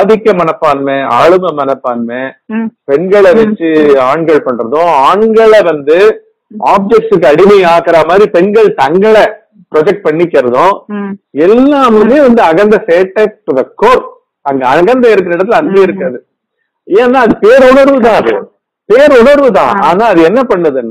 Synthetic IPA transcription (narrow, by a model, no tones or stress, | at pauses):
saːðɪkːɐmɐnɐpːaːnmeaːɭɯmɐmɐnɐpːaːnmẽpɛɳɡɐɭɐʋɛt͡ʃːɯaːɳɡɐɭpɐɳːɾɐðʊ̃aːɳɡɐɭɐʋɐnd̪ɯ | aːp̚d͡ʒɛk̚ʈɯk̬ːɯɐɽɪmɐaːɣɯɾamaːd̪ɾipɛɳɡɐɭt̪ɐŋɡɐɭɛ | pɾɔd͡ʒɛk̚ʈ̚pɐɳːɪkːɪɾɐðʊ̃ | ɛlːaːmɐɯmeːʋɐnd̪ɯɐɣɐnd̪ɐseːʈːɐʈɯðɐkoːɾ | ɐŋɡɐɐɣɐnd̪ɐɪɾɯk̬ːɾɐɪɽɐt̪ːɪlɐnɡ̪eːɪɾɯkːɾɐðɯ | ẽːɐnːaːɐðɯpeːɾʊɳɐɾʋɯt̪ãːɐðɯ̰ | peːɾʊɳɐɾʋɯt̪ãːa̰ːnaːɐðɯɛnːɐpɐɳːɐðɯɛnː